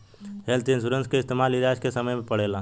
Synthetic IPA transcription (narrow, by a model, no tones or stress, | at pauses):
ɦelt̪ensʊɾə̃nskeɪst̪eːmaːliɾjaːskesəməjmẽpəɽeːlaː